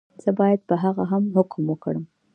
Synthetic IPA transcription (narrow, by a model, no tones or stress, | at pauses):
z̥əbɑjad̪̚pəɦaɣaɦamɦʊkmwəkɽəm